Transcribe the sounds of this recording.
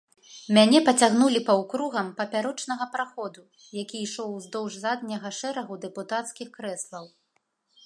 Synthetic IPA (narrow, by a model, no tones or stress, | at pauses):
mʲanʲɛpɐt͡sʲaɣn̪ulʲipɐwkɾuɣɐmpɐpʲaɾɔt͡ʂnɐɣɐpɾaxɔd̪u | jakʲiːʂɔwzd̪ɔwʐzad̪nʲɐɣɐʂɛɾɐɣud̪ɛput̪at̪skʲixkɾɛslˠɐw